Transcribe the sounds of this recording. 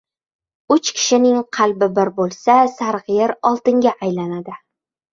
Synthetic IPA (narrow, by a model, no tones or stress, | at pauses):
ʊt͡ʃkʲʰɪ̥ʃɪnɪŋqʰɑlbɪbɪɾbolˠsasaɾʁɨjɪɾɒlˠt̪ɪŋɡʲaʔːjlanad̪ɪ